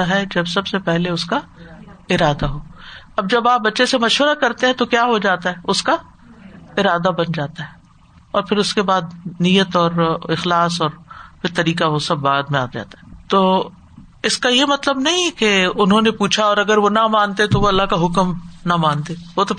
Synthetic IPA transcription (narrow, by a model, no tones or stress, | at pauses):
aɦɛd͡ʒɐbsɐbsepɛɦleʊska | ɪɾaːd̪aɦoː | ɐb̚d͡ʒɐbaːp̚bɐtːʃesemɐʃʋəɾakɐɾt̪eɦɛ̃t̪okjaːɦod͡ʒaːt̪aɦɛːʊska | ɪɾaːd̪abɐnd͡ʒaːt̪aɦɛ | ɔːɾpʰɪɾʊskebaːd̪nijət̪ɔːɾɪxlaːsɔːɾfɪɾt̪ɐɾiːkaʋosɐbːaːd̪mẽaːd͡ʒa̰ːt̪aɦɛt̪oː | ɪskajemɐt̪ləbnɐɦĩɛkeʊnɦõnepuːt͡ʃʰaɔːɾɐɡəɾʋonɐmãːnt̪et̪oʋoɐlːaɦkaɦʊkmnɐmãːnt̪ẽːʋot̪o